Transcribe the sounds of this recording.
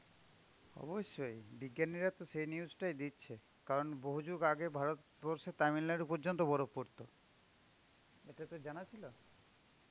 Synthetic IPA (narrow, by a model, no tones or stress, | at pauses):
ɔ̰boʃːojbiɡːjaniɾat̪oʃejniuzʈajd̪itːɕʰe | kaɾonboɦud͡ʑuɡaɡebʱaɾot̪ | bɔɾʃet̪aminlaɾupɔɾd͡ʑont̪̬obɔɾopoɾt̪o | eʈat̪od͡ʑanat͡ɕʰilo